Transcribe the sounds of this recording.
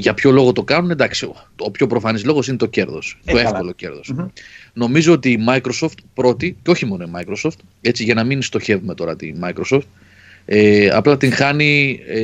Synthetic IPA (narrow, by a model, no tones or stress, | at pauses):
ʝɐpço̞lo̞ɣo̞t̪o̞kɐnuned̪ɐksi | opço̞pɾo̞fɐnizlo̞ɣo̞sine̞t̪o̞ce̞ɾðo̞st̪oefko̞lo̞ce̞̰ɾðo̞sno̞mizo̞ot̪iːmɐikɾo̞so̞ft̪pɾo̞t̪iceo̞çimo̞noimɐikɾo̞so̞ft̪ | e̞t͡siʝɐnɐminst̪o̞çe̞vume̞t̪o̞ɾɐt̪ḭmɐikɾo̞so̞ft̪̚ | eɐ̰plɐt̪iŋxɐni